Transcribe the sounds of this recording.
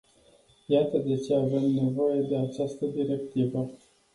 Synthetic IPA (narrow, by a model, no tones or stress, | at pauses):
jat̪əd̪e̞t͡ʃe̞ave̞mne̞vo̞je̞d̪e̞at͡ʃast̪əd̪iɾe̞kt̪ivə